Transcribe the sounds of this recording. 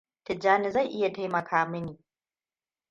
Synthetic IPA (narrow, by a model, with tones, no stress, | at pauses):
tɪ˨d͡ʒːaː˦nɪ˨za˦˨jʔɪ˦ja˨ta˦jmɐ˨kʰaː˦mɪ˦niː˨